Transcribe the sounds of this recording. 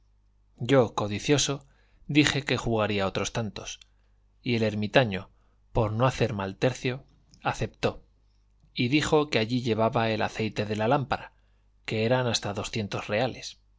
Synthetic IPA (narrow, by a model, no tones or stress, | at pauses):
ɟ͡ʝo̞ko̞ðiθjo̞so̞ | d̪ixe̞ke̞xuɣaɾiao̞t̪ɾo̞st̪ant̪o̞s | ie̞le̞ɾmit̪aɲo̞ | po̞ɾno̞aθe̞ɾmalt̪e̞ɾθjo̞ | aθe̞p̚t̪o̞ | iðixo̞ke̞aʎiʎe̞β̞aβae̞la̰θe̞jt̪e̞ðe̞lalampaɾa | ke̞eɾanast̪aðo̞sθje̞nt̪o̞sre̞ale̞s